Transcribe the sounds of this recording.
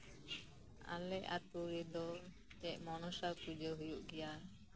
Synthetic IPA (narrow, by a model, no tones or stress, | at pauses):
a̰lɛʔa̰t̪uɾid̪ɔ | t͡ʃɛʔmɔnɔsakud͡ʒəɦujuʔɡɛja